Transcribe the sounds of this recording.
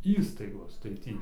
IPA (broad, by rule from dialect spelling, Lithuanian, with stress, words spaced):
ˈiːstɐɪɡoːs tɐɪ ˈtʲiː